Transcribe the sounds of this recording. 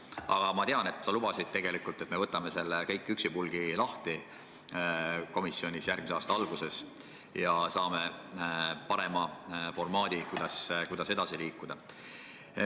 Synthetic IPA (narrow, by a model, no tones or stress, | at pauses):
ɑ̰ɡ̥ɑmɑt̪eɑne̞t̪ːˑsɑlub̥ɑsid̪̚t̪e̞ɡ̥e̞likːˑult̪ːˑe̞t̪me̞vɤt̪ːˑɑme̞se̞lːekɤjkˑːyksipulɡ̥ilɑht̪i | ko̞misːjo̞nʲisjærɡ̥miseɑːst̪ɑɑlɡ̥use̞s | jɑsɑːme̞ | pɑɾe̞mɑfo̞rmɑːd̪̥ikujd̪̥ɑskujd̪̥ɑse̞d̪ɑsiliːkːˑud̪̥ɑ